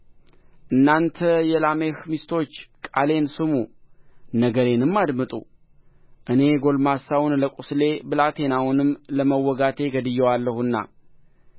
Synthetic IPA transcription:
ʔɨnːant̪ʰəjɛlamehmist̪ʰo̞t͡ʃːkʼale̞nsɨmu | nəɡəɾe̞nɨmːad̪mɨt̪ʼṵ | ʔɨne̞ɡo̞lmasawnləkʼusle̞bɨlat̪ʰe̞nawunɨmləməwːɔɡat̪ʰe̞ɡəd̪ɨjːɛwalːəhunːa̰

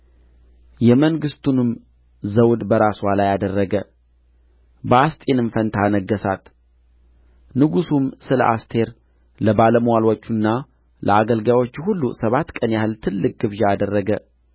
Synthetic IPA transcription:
jɛməŋɡɨst̪ʰunɨm | zəwd̪bəɾaswalajad̪ərːəɡə | bəast̪ʼenɨnfənt̪ʰanəɡːəsat̪ | nɨɡusumsɨlə̰ʔast̪ʰe̞ɾ | ləbaləmwalwot͡ʃːunːa | lʔə̰aɡəlɡawo̞t͡ʃːhulːusəβat̪ːkʼənjahɨlt̪ʰɨlːɨk̚ʼɡɨβʒaad̪ərːəɡə

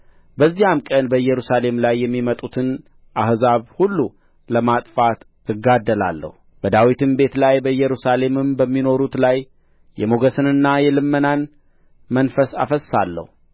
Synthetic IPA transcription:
bəzːijamkʼənbəɨjːɛɾusale̞mlajːɛmːimət̪ʼut̪ʰɨn | ʔahzaβhulːu | ləmat̪ʼfat̪ | ɨɡːad̪ːəla̰lːə̰hu | b̥əd̪awit̪ʰɨmbe̞t̪lajbəɨjːɛɾusale̞mɨmbəmːino̞ɾut̪laj | jɛmoɡəsɨnɨnːajɛlɨmːənan | mənfəsa̰fəsːalːə̰hu

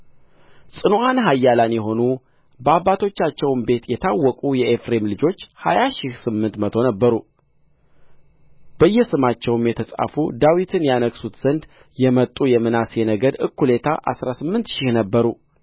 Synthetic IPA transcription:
sʼɨnuʔanɦajːalanjɛɦo̞nu | bəabːat̪ʰo̞t͡ʃːat͡ʃːɛwmbe̞t̪jɛt̪ʰawːɔkʼujɛʔefɾe̞mlɨd͡ʒo̞t͡ʃːhajaʃɪhsɨmːɨnt̪mət̪ʰo̞nəbːəɾu | b̥əjːɛsɨmat͡ʃːɛwmjɛt̪ʰəsʼa̰fud̪awit̪ʰɨnjanəksut̪z̥ənd̪ | jɛmət̪ʼːujɛmɨnasjenəɡəd̪ɨ̰kʰːule̞t̪ʰaʔa̰sɾasɨmːɨnt̪ʃɪhnəbːəɾu

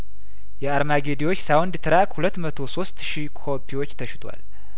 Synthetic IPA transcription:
jɛaɾmaɡe̞d̪iwo̞t͡ʃːsawnd̪t̪ʰɨɾakhulət̪ːmət̪ʰo̞so̞st̪ʃikʰo̞pʰːiwo̞t͡ʃːt̪ʰəʃɪt̪ʰʼwa̰l

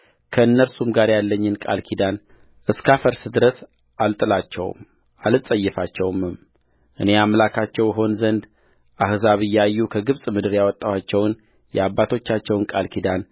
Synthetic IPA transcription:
kʰəɨnːəɾsumɡaɾjalːəɲːɨnkʼa̰lkʰid̪an | ʔɨskafəɾsɨd̪ɨɾəs | alt̪ʼɨlat͡ʃːɛ̰w̰m | alɨsʼəjːɛfat͡ʃːɛwmɨm | ʔɨne̞amlakʰat͡ʃːɛwjɪɦo̞nzənd̪ | ʔahzaβɨjːɛajːukʰəɡɨβsʼmɨd̪ɨɾjawɔt̪ʼːawat͡ʃːɛwn | jɛ̰abːat̪ʰo̞t͡ʃːat͡ʃːɛwnkʼalkʰid̪an

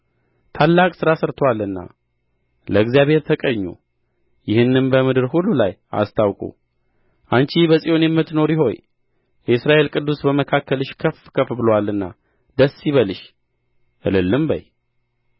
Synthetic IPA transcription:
t̪ʰalːakʼsɨɾasəɾt̪ʰwalːɨnːa̰ | ləɨɡzijaβhe̞ɾt̪ʰəkʼəɲːṵ | jɪhɨnːɨnbəmɨd̪ɨɾhulːulaja̰st̪ʰawkʼṵ | ʔant͡ʃibəsʼijo̞njɛmːɨt̪no̞ɾjɪɦo̞̰ɲ | jɛɨsɾaʔe̞lkʼɨd̪ːusbəməkʰakʰːəlɨʃkʰəfkʰəfbɨlwalːɨnːa̰ | d̪əsːiβəlɨʃ | ʔɨlɨlːɨmbə̰j

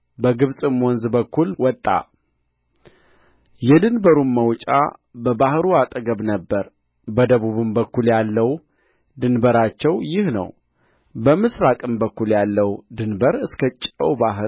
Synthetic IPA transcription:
bəɡɨβsʼɨmwɔnzbəkːulwɔt̪ʼːa̰ | jɛd̪ɨnbəɾumːəwt͡ʃʼa̰bəbahɾuat̪ʼəɡəβnəbːəɾ | bəd̪əβuβɨmbəkːuljalːəw | d̪ɨnbəɾat͡ʃːɛwjɪhnə̰w | bəmɨsɾakʼɨmbəkːuljalːəwd̪ɨnbəɾɨskʰət͡ʃʼə̰wbaɦɨ

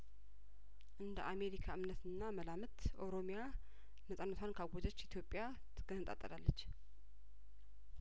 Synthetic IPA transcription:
ʔɨnd̪ə̰ʔame̞ɾikʰaɨmnət̪ɨnːaməlamɨt̪ʔowɾo̞mja | nəsʼanːət̪ʰʷankʰaɡʷozət͡ʃːit̪ʰjo̞pʼja | t̪ʰɨɡ̥ənɨt̪ʼa̰t̪ʼːəlalːət͡ʃː

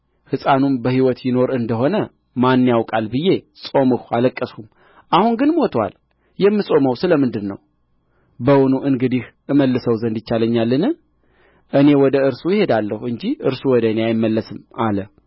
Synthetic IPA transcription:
hɨsʼanumbəhiwɔt̪jɪno̞ɾɨnd̪əɦo̞nə | manːjawkʼalbɨjːe̞sʼo̞mɨhualəkʼːəsum | ʔahunɡɨnmo̞t̪ʰwa̰l | jɛmːɨsʼo̞məwsɨləmɨnd̪ɨnːə̰w | bəwunuʔɨŋɡɨd̪ihʔɨməlːɨsəwzənd̪ɪt͡ʃːaləɲːalːɨnɨ | ʔɨne̞wɔd̪əɨɾsujɪhe̞d̪alːəhuɨɲd͡ʒiʔɨɾsuwɔd̪əɨneajɪmːəlːəsɨmalə

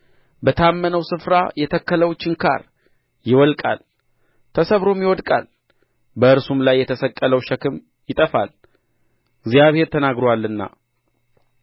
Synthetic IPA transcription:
bət̪ʰamːənəwsɨfɾa̰jɛt̪ʰəkːələwt͡ʃːɪŋkʰa̰ɾ | jɪwɔlkʼa̰l | t̪ʰəsəβɾo̞mjɪwɔd̪kʼa̰l | bəɨɾsumlajːɛt̪ʰəsəkʼːələwʃəkʰɨm | jɪt̪ʼəfal | ɡzijaβhe̞ɾt̪ʰənaɡɾowalːɨnːa̰

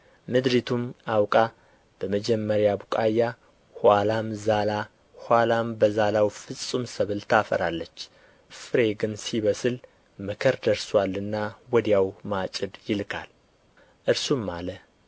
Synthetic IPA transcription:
mɨd̪ɾit̪ʰumawkʼa | b̥əməd͡ʒɛmːəɾjabukʼajːa | halamzala | hwalambəzalawfɨsʼumsəβɨlt̪ʰafə̰ɾalːət͡ʃː | fɨɾe̞ɡɨnsiβəsɨl | mɨkʰəɾd̪əɾswalːɨnːawɔd̪jawmat͡ʃʼɨd̪jɪlkʰa̰l | ʔɨɾsumːalə

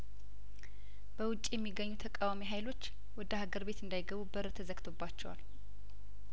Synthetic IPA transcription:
b̥əwʊt͡ʃʼːijɛmːiɡːəɲːut̪ʰəkʼawamiɦajlo̞t͡ʃː | wɔd̪əhaɡəɾbe̞t̪ɨnd̪ajɡəβubəɾt̪ʰəzəɡt̪ʰo̞bːat͡ʃːɛwa̰l

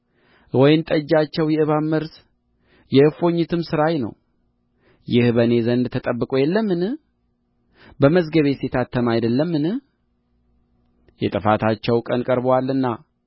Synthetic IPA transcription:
wɔjɪnt̪ʼəd͡ʒːat͡ʃːɛwjɛɨβamːəɾs | jɛɨfo̞ɲːɪt̪ʰɨmsɨɾajnə̰w | jɪhbəne̞zənd̪t̪ʰət̪ʼəbːɨkʼojɛlːəmːɨn | bəməzɡəβe̞set̪ʰat̪ʰːəmajd̪əlːəmːɨnɨh | jɛt̪ʼɨfat̪ʰat͡ʃːɛwkʼənkʼəɾbwalːɨnːa

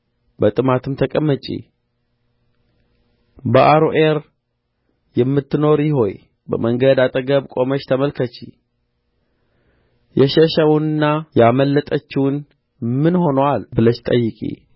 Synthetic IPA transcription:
bət̪ʼɨmat̪ʰɨmt̪ʰəkʼəmːət͡ʃʼḭ | bəʔaɾoʔeɾ | jɛmːɨt̪ːɨno̞ɾjɪho̞j | bə̰məŋɡəd̪at̪ʼəɡəbkʼo̞mət͡ʃːt̪ʰəməlkʰət͡ʃḭ | jɛʃəʃəwunɨnːajaməlːət̪ʼət͡ʃːɪwn | mɨnho̞nəwalbɨlət͡ʃt̪ʼə̰jːɪkʼḭ

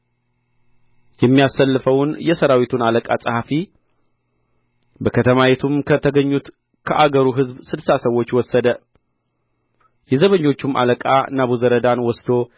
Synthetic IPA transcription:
jɛmːijasːəlːɨfəwnjɛsəɾawit̪ʰunaləkʼasʼɨhafi | bəkʰət̪ʰəmawet̪ʰumkʰət̪ʰəɡəɲːut̪ | kʰəʔaɡəɾuɦɨzbsɨdsasəwo̞t͡ʃːwɔsːəd̪ə | jɛzəβəɲːo̞t͡ʃːumʔa̰ləkʼa̰naβuzəɾəd̪anwɔsd̪o̞

